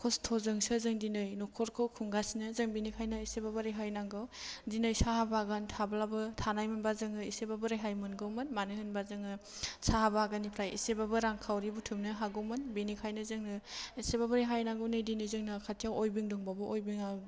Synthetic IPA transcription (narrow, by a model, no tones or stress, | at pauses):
kʰɔstʰɔzɯŋsɯzɯŋdinɯjnɔkʰɔɾkʰɯwkʰuŋɡasinɯzɯŋbinikʰajnaisebabɯɾijɦajnaŋɡɯwdinɯjsaɦabaɡantʰablabɯtʰanajmɯnbazɯŋɯisebabɯɾajɦajmɯnɡɯwmɯnmanɯɦɯnbazɯŋɯsahabaɡanipʰɾajḭsebabɯɾaŋkʰawɾibutʰɯmnɯɦaɡɯwmɯnbinikʰajnɯzɯŋnɯisebabɯɾajɦajnaɡɯwnɯjdinɯjzɯŋnɯkʰatʰijawojbiŋdɯŋbabɯʔojbiŋa